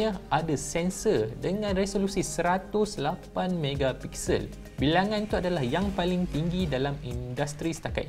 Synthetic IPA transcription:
ãadasɛnsədəŋãnresolusisəɾat̪ʊslapanmeɡapiksə̰l | bilaŋãnt̪uadalahjaŋpalɪŋt̪iŋɡidalamindast̪ɾisə̥t̪aka̰t̪

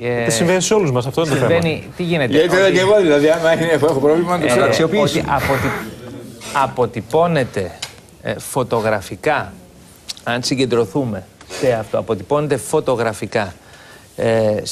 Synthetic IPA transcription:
simveniseo̞luzmɐs̬ɐft̪oðent̪oevenit̪iʝineit̪enɐɡevɐðilɐðiɐmɐineexopɾovlimɐɐt̪okseksio̞piːsiɐpot̪i | ɐpo̞t̪ipo̞ne̞t̪e̞̰ | fo̞t̪o̞ɣɾɐfikɐ | ɐnsiɲɟe̞nd̪ɾo̞θume̞se̞ɐft̪oɐpo̞t̪ipo̞ne̞t̪e̞fo̞t̪o̞ɣɾɐfikɐ | s

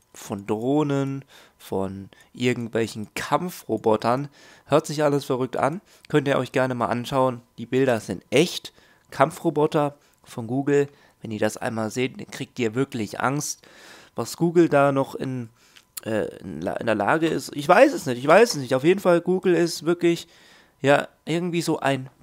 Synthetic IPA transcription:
fɔndʁoːnən | fɔn | ʔɪɐɡŋ̩tv̥ɛlçn̩kʰamfʁobɔtɐn | høːɐtz̥ɪçʔaləsfɛʁʏk̚tʔa̰n | kʰœntiːɐʔɔ̰ʏçɡ̥ɛɐnəmaːlʔanʃaʊənd̥iːbɪldɐz̥ɪntʔɛçt | kʰamfʁobɔtɐ | fɔnɡuːɡl̩ | vɛniːɐdasʔa̰ɪnmaːlzeːtkʁ̥iːk̚tiːɐvɪɐklɪçʔa̰ŋst | vasɡ̥uːɡl̩daːnɔχɪ̰n | ʔɛ̰ːɪ̰nla̰ʔɪ̰ndeːɐla̰ːɡəɪ̰stʔɪçv̥aɪsɛsnɪçtɪçv̥aɪssnɪçtaʊfjeːdn̩falɡuːɡl̩ɪstv̥ɪɐklɪç | jaːʔɪɐɡŋ̩tv̥iːzoːʔa̰ɪn

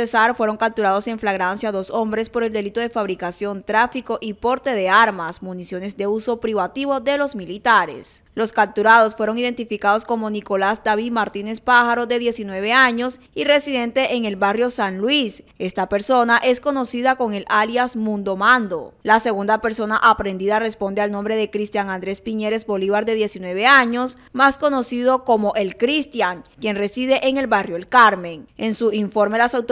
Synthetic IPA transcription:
esaɾfweɾo̞ŋkap̚t̪uɾað̞o̞se̞ɱflaɣɾansjaðo̞so̞mbɾe̞spo̞ɾe̞ld̪e̞lit̪o̞ðe̞faβɾikasjo̞nt̪ɾafiko̞ʔipo̞ɾt̪e̞ð̞e̞aɾmasmunisjo̞ne̞zðe̞uso̞pɾiβat̪iβo̞ðe̞lo̞zmilit̪aɾḛs | lo̞skap̚t̪uɾaðo̞sfweɾo̞ŋiðe̞nt̪ifikað̞o̞sko̞mo̞niko̞lasd̪aβiðmaɾt̪ine̞spaxaɾo̞ðe̞ðje̞sinwe̞β̞e̞aɲo̞s | ire̞siðe̞nt̪e̞ʔeŋe̞lβarjo̞sanlwise̞st̪ape̞ɾso̞naʔe̞sko̞no̞siðako̞ŋe̞laljasmũnd̪omãnd̪o̞̰lase̞ɣund̪ape̞ɾso̞naʔapɾe̞nd̪iðare̞spo̞nd̪e̞alnõ̞mbɾe̞ðe̞kɾist̪jaŋand̪ɾe̞spiɲe̞ɾe̞zbo̞liβaɾd̪e̞ðje̞sinwe̞β̞e̞aɲo̞s | masko̞no̞siðo̞ko̞mo̞ʔelkɾist̪jaŋkje̞nre̞siðe̞ʔeŋe̞lβarjoelkaɾme̞ŋe̞nsuiɱfo̞ɾme̞lasawt̪

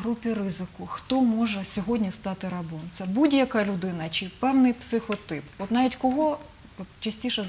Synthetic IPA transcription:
ɦɾupʲirɪzɪkʊxt̪ɔmɔʒɛsʲɔɦɔdʲnʲist̪ɑt̪ɪɾɐbɔnt̪sʲɐbudʲjɐkɐlʲʊd̪ɪnɐt͡ʃɪpɛwnɪjpsɪxɔt̪ɪpɔt̪nɑʋʲitʲkɔɦɔ | ɔt̪t͡ʃɐsʲtʲiʃɛ

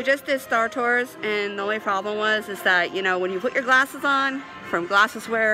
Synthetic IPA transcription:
d͡ʒʌsdɪdstɑɹtʰɔɹzɨ̃nðiõʊ̃nlipʰɹ̥ɑblə̃mwʌzɨzðəʔjɨñoʊwə̃njɨpʰʊt͡ʃə˞ɡlæsəzn̩ | fɹʌ̃mɡlæsəzwɛ˞

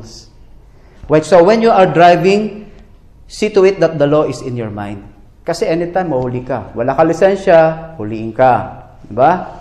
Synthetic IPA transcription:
s | wajt̪sowɛnjuʔɐɹd̪ɹajvɪ̃ŋ | sit̪ʊɪt̪̚d̪ɐt̪̚d̪ɐloʔɪsɪ̃njɔɹmã̰jnd̪̚ | kɐsɛʔɛnɪt̪ãjmːɐhʊlikɐwɐlakɐlɪsɛnʃahʊliʔɪŋka | d̪ɪba

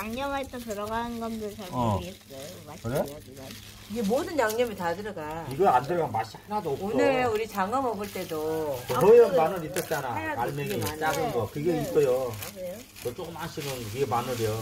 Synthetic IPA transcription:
aŋɲʌmaɦet͈ʌnpjʌɾʌɡanɡʌndɯsʰaʌesakɯɾe | iɡe̞modɯnjaŋɲʌmitadɯɾʌɡaiɡʌandeɭɡʌmaɕ͈ihanadoːpkoneuɾit͡ɕaŋʌmʌbɯɭt͈e̞doɦʌjʌmanɯɾit͈ʌt͡ɕ͈anaaɭmenis͈aɡɯnɡʌkɯɡeik͈ʌjo | kʌt͡ɕ͈ok͈ɯmanɕʰiɡɯnkɯɡemanɯɾio

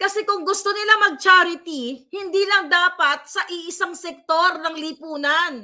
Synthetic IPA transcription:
kɐsɛkʊŋɡʊst̪o̞nɪlamɐɡ̚t͡ʃaɾɪt̪ihɪnd̪iːlɐŋd̪aːpɐt̪̚sɐʔiʔɪsaŋsɛk̚t̪oɾnɐŋlipuːnɐn

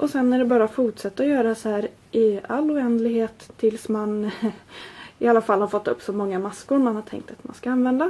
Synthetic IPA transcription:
ʔɔsɛnːæɖɛbɑːɾafʊʈʂɛt̪ːaɔjœːɾasɔhæːɾ | ʔɪa̰lːʊɛnd̪lɪɡheːt̪ʰːɪlsman | ɪalːafalːhaɾfɔt̪ːɵpːsɔmɔŋːamaskʊɾmanhaʈʰɛ̰ŋkt̪at̪ma̰nskaanvɛnd̪a

